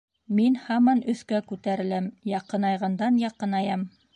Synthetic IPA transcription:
minhɑmɑnɵ̆θkækʉt̪æɾɘ̆læmjɑqɤ̆nɑjʁɑnd̪ɑnjɑqɤnɑjɑm

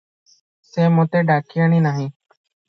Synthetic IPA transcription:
seːmõːt̪eːɖaːkiəɳ̃ĩːnaːɦĩː

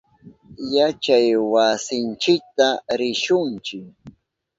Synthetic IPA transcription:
jat͡ʃajwasɪnt͡ʃɪk̚t̪aɾɪʃʊnt͡ʃɪk

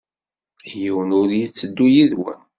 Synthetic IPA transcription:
jiwənʊɾjit͡sːəd̪ːujiðwə̰n

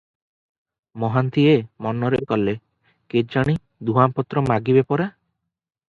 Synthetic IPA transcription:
mɔɦant̪ʰiemɔnɔɾekɔle | ked͡ʒaɽ̃i | d̪uɦampɔt̪ɾɔmaɡibepɔɾa

